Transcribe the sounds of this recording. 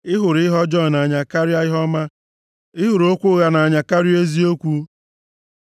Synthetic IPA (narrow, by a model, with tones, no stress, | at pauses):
ɪ˦ɦʊ˨ɾɪ˦ɦɔ˦d͡ʒɔ˦˨na˨a˨ɲa˨ka˦ɾi˦a˦ɪ˦ɦɔ˦ma˦ | ɪ˦ɦʊ˨ɾo˦kʷʊ˦ɣa˨na˨a˨ɲa˨ka˦ɾi˦e˦zi˦o˦kʷu˦